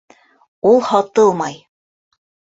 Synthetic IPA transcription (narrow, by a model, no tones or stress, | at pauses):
ulˠhɑt̪ɤlˠmɑj